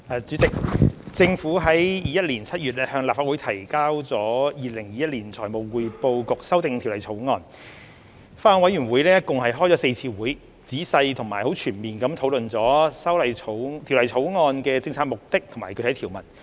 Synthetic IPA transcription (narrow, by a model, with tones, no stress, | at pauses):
ʔɛː˨˧t͡syː˨˥t͡sɪ˨k̚t͡sɪ˧ŋfuː˨˥ɦɐ˨˥jjiː˨jɐ˥t̚liː˨˩nt͡sʰɐ˥t̚jyː˨t̚lɛː˥hœː˧ŋlaː˨pfaː˧t̚wu˨˥jt̪ʰɐ˨˩jkaː˥wt͡sɔː˨˧˥jiː˨˧lɪ˨˩ŋjiː˨jɐ˥t̚liː˨˩nt͡sʰɔː˨˩jmo˨˩wwuː˨˧jpo˧wkʊ˨k̚sɐ˥wt̪ɪ˨˧ŋt̪ʰi˨˩wlɐ˨˩jt͡sʰo˨˥wŋɔː˧n | faː˥ɔ˨˧ŋwɐ˨˥jyː˨˩nwuː˨˥jlɛː˥kʊ˨ŋhɐ˨jɦɔː˥jt͡sɔː˨˥se˧jt͡sʰiː˧wuː˨˥j | t͡siː˨˥sɐ˧jt̪ʰʊ˨˩ŋmaː˨˩jho˨˥wt͡ʃʰyː˨˩nmiː˨˩nkɐ˨˥mt̪ʰo˨˥wlɵ˨nt͡sɔː˨˥sɐ˥wlɐ˨jʰo˨˥wt̪ʰi˨˩wlɐ˨˩jtʰo˨˥wŋɔː˧nkɛː˧t͡sɪ˧ŋt͡sʰaː˧t̚mʊ˨k̚t̪ɪ˥k̚t̪ʰo˨˩ŋmaː˨˩kʰɵ˧tʰɐ˨˥jt̪ʰi˨˩wmɐ̰˨˩n